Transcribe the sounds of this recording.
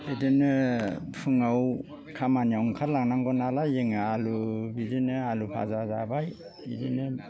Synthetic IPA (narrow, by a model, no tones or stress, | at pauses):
bidinɯpʰɯŋaw | kʰamaniawŋkʰaɾlaŋnaŋɡɔnalajeŋɯalubidinɯalupʰa̰zazabaj | idinɯ